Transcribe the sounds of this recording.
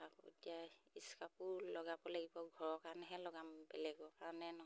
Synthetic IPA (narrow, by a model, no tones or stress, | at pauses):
akɔ̰ḛtiaiskapʊlɔɡabɔlaɡibɔɡʱɔɹɔkaɹɔnɛɦɛlɔɡambɛlɛɡɔkaɹnɛnɔ